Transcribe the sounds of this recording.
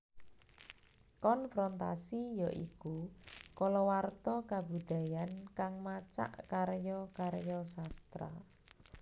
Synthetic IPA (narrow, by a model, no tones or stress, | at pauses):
kɔnfɾɔnt̪asijɔʔikukɔlɔwart̪ɔkabud̪̥a̤jankaŋmat͡ʃa̰ʔkaɾjɔkaɾjɔsast̪ɾa̰